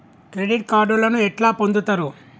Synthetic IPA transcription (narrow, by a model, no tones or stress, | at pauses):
kɾeɖiʈkaːɖulɐnuɛʈlaːpo̞nd̪ut̪aːɾu